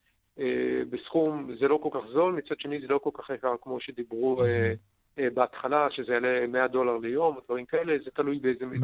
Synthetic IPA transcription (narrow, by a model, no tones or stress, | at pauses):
ebesχumzelo̞ko̞lkaχzo̞lmit͡sad̥̪ʃe̞nizelo̞ko̞lkaχjakaʁkmo̞ʃed̪ibʁue | beat̪χalaʃezejalemead̪o̞laʁlejo̞mod̪vaʁimkae̞le̞zet̪alujbeezemi